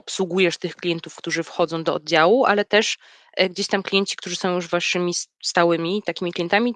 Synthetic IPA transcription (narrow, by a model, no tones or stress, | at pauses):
ɔpswuɡujɛʂt̪ɘxklʲijɛnt̪ufkt̪uʐɘfxɔd̪zɔ̃w̃d̪ɔɔ̰d̪̚d͡ʑawuʔa̰lɛt̪ɛʂ | ɡd͡ʑeɕt̪amklʲijɛɲt͡ɕi̥kt̪uʐɨsɔ̃w̃juʐvaʂɘmʲist̪awɘmʲit̪akʲimʲiklʲijɛnt̪amʲi